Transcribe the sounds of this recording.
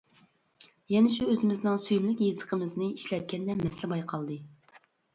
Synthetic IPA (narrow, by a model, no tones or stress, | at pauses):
jɛnɛʃuøzɪmɪznɪŋsyjmlykʲjezə̥qʰəmɨznɨiʃlɛt̪̚kʲɛnd̪ɛmɛslɪbɑjqʰɑlˠd̪ɨ